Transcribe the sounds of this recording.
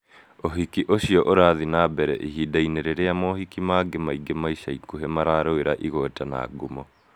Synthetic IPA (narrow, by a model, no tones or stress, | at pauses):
oɦikiʔoɕiɔʔoɾaːðinaːbɛɾɛ̰ʔiɦidaineɾeɾeamɔɦikimaɡemaiɡemaiʃaikuɦemaɾaːɾoeɾaʔiɣotana̰ːɡumɔ